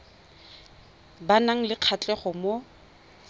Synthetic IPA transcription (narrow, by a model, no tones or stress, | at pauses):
banaŋ̩lɪq͡χʰat͡ɬʼɛχɔmo